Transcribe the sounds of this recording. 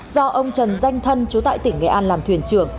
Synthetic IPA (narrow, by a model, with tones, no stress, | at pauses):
zɔ˧ʔə˧wŋ͡mt͡ɕə˨˩nza˧jŋ̟t̪ʰə˧nt͡ɕu˨˦t̪a̰ː˧˨jt̪ï˧˩ŋ̟ːɛ̰˨˩ʔaː˧nlaː˨˩mt̪ʰwi˧˩ənt͡ɕɨ˧˩əŋ